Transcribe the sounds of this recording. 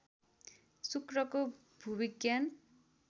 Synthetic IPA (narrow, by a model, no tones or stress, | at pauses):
sukrʌko | bʱubiɡjan